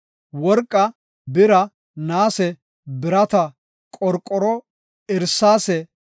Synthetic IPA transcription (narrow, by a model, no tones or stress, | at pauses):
wɔɾkʼːɐ | bɪɾɐ | naːsɛ | bɪɾɐt̪ɐ | kʼɔɾkʼːɔɾɔ | ɪɾsaːsɛ